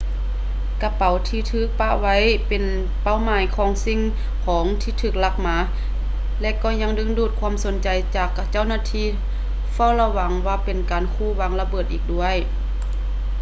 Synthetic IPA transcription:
ka˧pa˨˩wt̪ʰiː˧t̪ʰɯː˧˩k̚pa˧˨ʔwa˧˥˨jpe˨n | pa˧˩˨wmaː˨˦jkʰɔː˨˦ŋsi˧˨ŋ | kʰɔː˨˦ŋt̪ʰiː˧˩t̪ʰɯː˧˩k̚la˧˥k̚maː˧˥ | lɛ˧ʔkɔː˧˩ɲa˧˥ŋdɯ˧˥ŋduː˧˩t̪̚kʰwu˧˥ə˨mso˨˦nt͡ɕa˨jt͡ɕaː˨˩kt͡ɕa˧˥˨wnaː˧˥˨t̪ʰiː˧˥˨ | fa˧˩˨wla˧wa˨˦ŋwaː˧˩pe˨nkaː˨nkʰuː˧˩wa˧˥ŋla˧bɤː˧˩t̪̚ʔiː˨˩k̚du˧˥˨əj

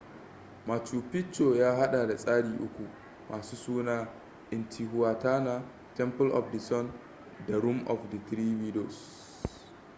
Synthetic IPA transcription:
maː˨t͡ʃuː˨pɪ˦t͡ʃːo˨jaː˦ɦa˦ɗa˨da˨sʼaː˦ɽiː˨ʔʊ˦kʷu˨ | mʔaː˨suː˦suː˦naː˦ | ʔɪ˨ntʰi˨ɦʊ˦waː˨taː˦na˨ | tɛ˦mpʊ˦lʔɔ̰˨fdi˨sɔ˦n | da˨ɾu˦mʔɔ̰˨fdɐ˨t̪ɾiː˦wi˦do˨s

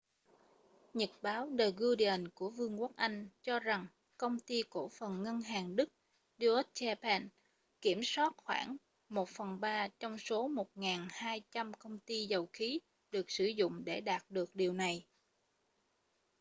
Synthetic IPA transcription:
ɲə˨˩t̚ɓaː˨˦wɗəː˨˩jɣu˧ɗi˧ə˨˩nku˧˩əvɨ˧əŋkwk̚ʔa˧jŋ̟t͡ɕɔ˧za˨˩ŋ | kə˧wŋ͡mt̪i˧ko˧˩fə˨˩nŋə˧nɦaː˨˩ŋɗɨ˦˥k̚ | ɗi˧ʔə˦˥t̚t͡ɕɛ˧pɛ˧n | ki˧˩əmswaː˦˥t̚xwa̰ː˧˩ŋ | mo˨˩t̚fə˨˩nɓaː˧t͡ɕɔ˧wŋ͡mso˨˦mo˨˩t̚ŋaː˨˩nhaː˧jt͡ɕa˧mkə˧wŋ͡mt̪i˧zə˨˩wxi˨˦ | ɗɨ˨˩ək̚sɨ˧˩zʊ̰˧˨ŋ͡mɗe˧˩ɗaː˨˩t̚ɗɨ˨˩ək̚ɗi˨˩əwna˨˩j

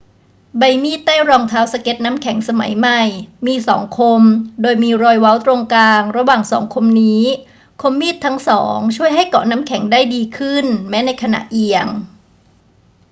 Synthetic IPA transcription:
ba˧jmiː˥˩t̪ːaː˥˩wɾɔː˧ŋt̪ʰaː˦˥wsa˧ke˦˥t̪̚na˦˥mkʰɛ˨˩˦ŋsa˧ma̰˨˩˦jma˧˩jmiː˧sɔ̰ː˩˦ŋkʰo˧mdoː˧jmiː˧ɾɔː˧jwa˦˥wt̪ɾo˧ŋkaː˧ŋɾa˧waː˨˩ŋsɔ̰ː˩˦ŋkʰo˧mniː˦˥ | kʰo˧mːiː˥˩t̪ʰːa˦˥ŋsɔ̰ː˩˦ŋt͡ɕʰu˥˩əjɦa˥˩jkɔ̰ː˨˩˦na˦˥mkʰɛ˩˦ŋdaː˥˩jdiː˧kʰɯ˥˩nmɛː˦˥na˧jkʰa˧na̰˨˩ʔʔi˧əŋ

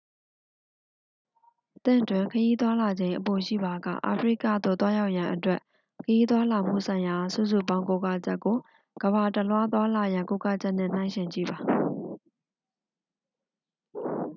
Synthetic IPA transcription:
ʔt̪ɪ̰̃˦˨twɪ̃˨kʰəji˦t̪wa˦la˨d͡ʑẽ˨˦ɪ̃ʔəpo˨ʃḭ˦˨ba˨ɡä̰˦˨ʔa̰˨pʰəɹḭ˦kä̰˦˨d̪o̰˦˨t̪wa˦ja˦ʊʔjã˨ʔətwɛ˦ʔ | kʰəji˦t̪wa˦la˨m̥ṵ˦˨sʰã˨ɪ̃ja˨sṵ˦˨su˦˨pã˦ʊ̃ŋko˦ka̰˦˨t͡ɕɛ˦ʔkːo˨ | ɡ̥əba˨tə˨lwa˦t̪̬wa˦la˨jã˨ŋko˦ka˦˨t͡ɕɛ˦ʔn̥ɪ̰̃˦˨n̥ã˦ɪ̃ʃɪ̃˨ɲt͡ɕḭ˦˨ba˨

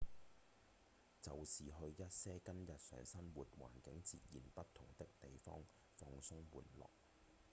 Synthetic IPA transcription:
t͡sɐ˨wsiː˨ɦɵ˧ɥjɐ˥t̚sɛː˥kɐ˥njɐ˨t̚sœː˨˩ŋsɐ˥nwuː˨t̚wa̰ː˨˩nkɪ˨˥ŋt͡siː˨t̚jiː˨˩npɐ˥t̚t̪ʰʊ˨˩ŋt̪ɪ˥k̚t̪e˨jfɔ̰ː˥ŋ | fɔː˧ŋsʊ˥ŋwuː˨˩nlɔ̰ː˨k̚

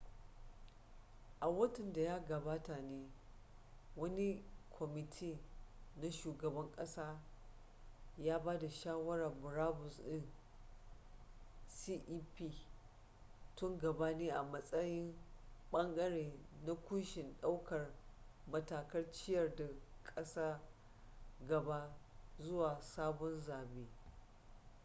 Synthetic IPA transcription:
ʔa˨wɐ˦tɪ˨nda˨jaː˦ɡɐ˨baː˦ta˨neː˦ | wɐ˦ni˦kʷʰɔ˨mɪ˨tʰiː˦na˦ʃuː˨ɡɐ˨bɐ˦ŋkʼɐ˦saː˦ | jaː˦baː˦da˨ʃaː˦wɐ˦ɾɐ˨rbʊ˨ɾaː˦bʊ˨sɗɪ˦n | siː˦ʔiː˦piː˦ | tʊ˦ŋɡɐ˨ba˦neː˦ʔa˨mɐ˦sʼɐ˦jɪ˦mɓɐ˦ŋɡɐ˦ɽeː˨na˦kʷʊ˦nʃɪ˨nɗa˦wkɐ˨rmɐ˦taː˨kɐ˦rt͡ʃɪ˦jɐ˨rda˨kʼɐ˦saː˦ | ɡɐ˨ba˦zʊ˦waː˨saː˦bɔ˦nzaː˨beː˦

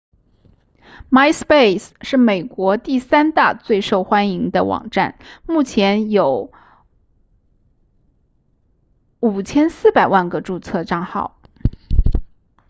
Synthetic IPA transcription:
ma˥ɪspe˥˩ɪsʂɻ̩˥˩me˨˩ɪkwɔ˧˥t̪i˥˩sa˥nt̪a̰˥˧t͡swe˥˧ɪʂo˥˩ʊxwa˥ni˧˥ŋd̪ə̰˧wɑ̰˨˩ŋʈ͡ʂa̰˥˩nmu˥˩t͡ɕʰjɛ˧˥njo˧˥ʊ | u˨˩t͡ɕʰjɛ˥nsɹ̩˥˩pa˨˩ɪwa˥˩nɡə˩ʈ͡ʂu˥˧t͡sʰɤ˥˧ʈ͡ʂɑ˥˧ŋxɑ̰˥˩ʊ

